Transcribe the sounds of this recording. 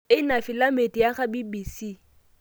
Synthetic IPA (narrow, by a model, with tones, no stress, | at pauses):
ɪ˦na˨fi˨la˦me˨tʼi˨ja˦χa˦bi˦bi˨si˦˨